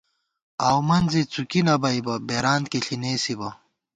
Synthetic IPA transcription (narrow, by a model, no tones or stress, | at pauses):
aːwmɐnzit͡sukinɐbɐibɐbeɾaːnt̪̚keɬineːsibɐ